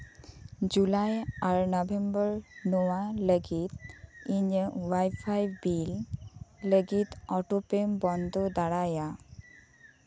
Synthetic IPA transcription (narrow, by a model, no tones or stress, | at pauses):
d͡ʒulajaɹnɔbembəɹnɔwaləɡit̪̚iɲəwajpʰajbilː | əɡit̪ɔʈopembɔnd̪ʱɔd̪aɽaja